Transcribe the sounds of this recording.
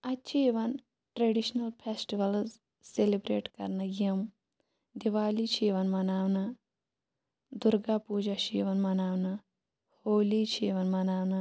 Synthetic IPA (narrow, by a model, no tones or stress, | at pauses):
ɐt͡ʃʰiʋɐn | ʈɾeɽiɕnɐlpʰesʈiʋɐlz | selibɾeːʈkɐ̰ɾnɐjem | d̪iʋaːlit͡ʃiʋɐnmɐnaːwnɐ | d̪uɾɡapuːd͡ʒaɕiʋɐnmɐnaːwnɐ | hoːlit͡ʃʰiʋɐnmɐnaːwnɐ